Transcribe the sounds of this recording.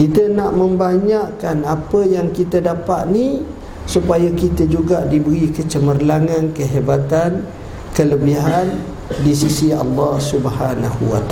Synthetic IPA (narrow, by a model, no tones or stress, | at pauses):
kit̪ənaʔmə̃mbaɲaʔkanapəjaŋkit̪ədapat̪̚ni | supajakit̪əd͡ʒuɡaʔdibəɾikət͡ʃəmərlaŋãnkəɦebat̪an | kələbiɦan | disisiɑlːɑhsubhanahṵwa̰t̪a